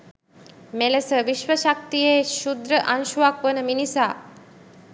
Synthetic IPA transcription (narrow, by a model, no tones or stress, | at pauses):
melesəʋiʃʋəʃak̚t̪ijeːʃud̪ɾəʔanʃuakʋənəminisaː